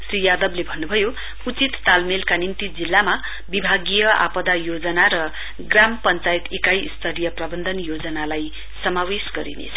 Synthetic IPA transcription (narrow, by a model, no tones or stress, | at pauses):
srijad̪ʌblebʱʌnːubʱʌjo | ut͡sit̪ːalmelkanint̪id͡zilːama | bibʱaɡijʌa̰pʌd̪ajod͡zʌnaɾʌ | ɡrampʌnt͡sait̪ekajist̪ʰʌɾijʌprʌbʌnd̪ʱʌnjod͡zʌnalaj | sʌmawesɡʌɾḭnḛt͡sʰʌ̥